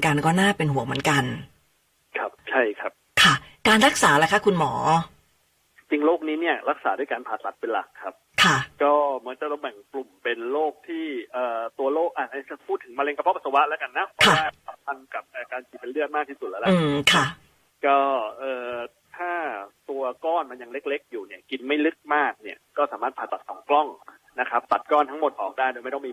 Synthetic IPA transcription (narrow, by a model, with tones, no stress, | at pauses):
nka˧nkɔː˥˩naː˥˩pe˧nɦu˩˦ŋmɯ˩˦nka˧n | kʰa˦˥p̚t͡ɕʰa˥˩jkʰa˦˥p̚kʰa˥˩kaː˧nɾa˦˥k̚saː˩˦lɛː˦˥kʰa˦˥˩kʰu˧nmɔː˩˦ | t͡ɕi˧ŋloː˥˩k̚niː˦˥ni˥˩ɐɾa˦˥k̚sa̰ː˩˦du˥˩jkaː˧npʰaː˨˩t̪̚la˦˥t̪̚pe˧nla̰˨˩kʰːa˦˥p̚kʰa˥˩kɔː˥˩mɯ˩˦ənt͡ɕa˨˩a˧bɛ˨˩ŋklu˨˩mpe˧nloː˥˩k̚t̪ʰiː˥˩ʔɤː˨˩t̪u˧ɐloː˥˩k̚ʔa˧˩na˧˩˦sa˧˩pʰuː˥˩t̪ʰːɯ˩˦ŋmaː˧le˧ŋka˧pʰɔ˦˥pʰa˧tsʰa˧wa˦˥ʔlɛ˦˥ka˧nːa˦˥pʰɔ˦˧˦waː˥˩sʰa˨˦mpʰa˧nka˨˩p̚t̪ɛː˨˩kaː˧nkʰiː˧˩pe˧nlɯ˥˩ək̚maː˥˩iː˥˩su˨˩lɛː˦˥lɛ˧ʔkʰa˥˩ | kɔː˥˩ʔɤː˨˧ | t̪ʰaː˥˩t̪u˧ɐkɔː˥˩nma˧nja˧ŋle˦˥k̚le˦˥k̚juː˨˩ni˦˥˩əki˧nma˥˩jlɯ˦˥k̚maː˥˩k̚ni˥˩ɐkɔː˥˩saː˩˦maː˥˩t̪̚pʰaː˨˩t̪ːa˨˩t̪sʰɔː˨˩˦ŋklɔ˥˩ŋ | na˦˥kʰa˦˥p̚t̪a˨˩t̪̚kɔː˥˩nt̪ʰa˦˥ŋmo˨˩t̪̚ʔɔː˨˩k̚daː˥˩jdoː˧jma˥˩jt̪ɔ˥ŋmiː˧